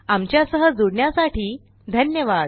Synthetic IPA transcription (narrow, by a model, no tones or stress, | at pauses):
amt͡ɕjasəɦəd͡zoɽɳjasaʈiː | d̪ʱənjəʋad̪